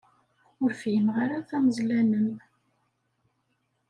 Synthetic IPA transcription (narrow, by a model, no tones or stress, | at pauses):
ʊɾfjənʁaɾaθæməzlænəm